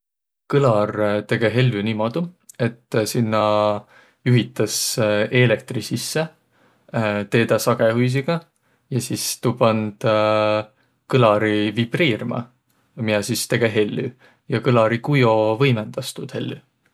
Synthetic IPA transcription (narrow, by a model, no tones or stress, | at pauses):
kɯlɑrt̪e̞ɡ̥eɦe̞lʲːynimod̪̥ue̞t̪ːˑsinːɑ | juɦit̪ːˑɑse̞ːle̞k̚t̪risisːe | t̪e̞ːd̪̥ɑsɑɡ̥ehujs̬iɡ̥ɑ | jɑsist̪upɑnd̪̥ | kɤlɑɾivib̥riːrmɑ̰ | miɑsist̪e̞ɡ̥e̞ɦe̞lːy | jɑkɯlɑɾikujo̞vɤjmend̪̥ɑst̪ud̪̥he̞̰lʲːy